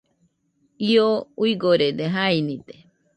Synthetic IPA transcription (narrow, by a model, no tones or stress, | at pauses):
iouiɡoɾed̪eɦainĩd̪e